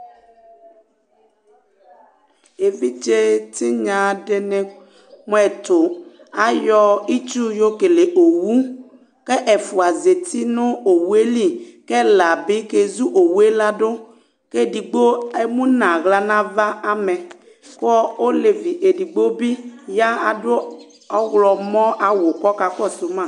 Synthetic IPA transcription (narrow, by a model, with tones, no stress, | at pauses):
e˨vi˦d͡ʒe˦t̪i˦ɲã˨ɖe˦ne˨ | m˦ɛ˨t̪o˨ | a˦jɔ˦i˦t͡ʃu˦jo˦ke˨le˨ʔo˨wu˦ | ke˦ʔe˨fu˨a˨ze˨t̪i˦nʊ̃˦o˨wu˦e˦li˦ke˦la˨bɪ˦ke˦zu˦ʔo˨wu˦e˦la˦dʊ˦ | ke˦di˨ɡ͡bo˦e˦mũ˦nã˨ɣla˨nã˦va˦a˦me˨ | kɔ˦o˦le˨vi˨ʔe˨di˨ɡ͡bo˦bi˦ja˦a˨dʊ˦ | ɔ˦ɣlɔ˨mɔ̃˦ʔa˨wʊ˨kɔ˦ka˨kɔ˦˨sʊ˨mã˦˨